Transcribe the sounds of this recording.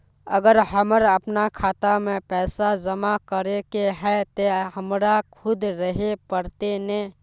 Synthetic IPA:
ə̰ɡəɾɦəməɾəpnakʰaːt̪amẽpɛːsad͡ʒəmakəɾekeɦɛ̃t̪oɦəmɾakʰʊd̪ɾəɦepəɾt̪enẽ

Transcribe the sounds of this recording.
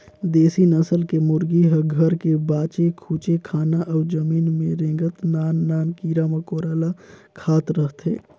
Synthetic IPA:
d̪eːsinəsəlkemʊɾɡiɦəɡʱəɾkebaːt͡ʃekʰuːt͡ʃekʰaːnaʔəːd͡ʒəmiːnmẽɾẽːɡət̪naːnːaːnkiːɾamẽkoːɾəːlakʰaːt̪ɾəɦt̪ḛː

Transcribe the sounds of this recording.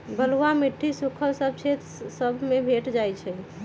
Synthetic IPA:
bəlwamiʈʰːisukʰəlsəb̚ʱt͡ʃʰet̪ | səbʱmebʱeʈd͡ʒajt͡ʃʰɛ

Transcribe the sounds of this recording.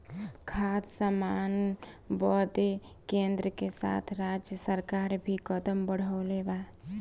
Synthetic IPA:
kʰad̪samanbɔd̪e | kend̪ɾəkesa̰t̪ʰɾad͡ʒjəsəɾkaɾbʱikəd̪əmbəɽ̤əʊleba

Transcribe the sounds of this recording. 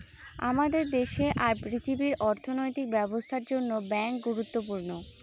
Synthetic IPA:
a̰mad̪eɾd̪eʃeʔaɾpɾit̪ʰibiɾʔɔɾt̪ʰonojt̪ik̚bɛbost̪ʰaɾd͡ʑonːobɛŋk̚ɡuɾut̪ːopuɾno

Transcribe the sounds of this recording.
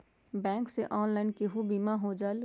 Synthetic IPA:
bɛ̃ːŋkseʔɔːnlaːɪnkeɦubiːmaɦod͡ʒaːl

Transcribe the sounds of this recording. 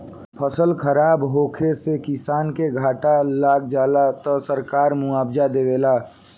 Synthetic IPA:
pʰəsəlkʰəɾaːbɦoːkʰesekɪsaːnkeɡʱaːʈalaːk̚d͡ʒaːlat̪ɔsəɾkaːɾmʊaːbd͡ʒad̪eʋelaː

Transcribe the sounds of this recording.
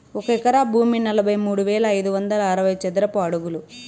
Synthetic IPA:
ɔkɐɛkɐɾaːbʱuːminɐlɐbʱɐjmuːɽuʋɛːlɐːjd̪uʋɐnd̪ɐlɐːɾɐʋɐjt͡ʃɛd̪ɐɾɐpɐɐɽuɡulu

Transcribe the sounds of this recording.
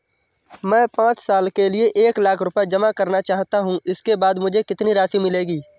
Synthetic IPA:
mɛ̃ːpãːt͡ʃsaːlkelieʔeːklaːkʰɾʊpɛd͡ʒɐmakɐɾnat͡ʃaːɦt̪aɦũɪskebaːd̪mʊd͡ʒʱekɪt̪niɾaːʃimɪleːɡiː

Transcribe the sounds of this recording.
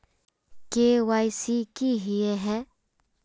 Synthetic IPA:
keːwaːjsikiɦieɦɛː

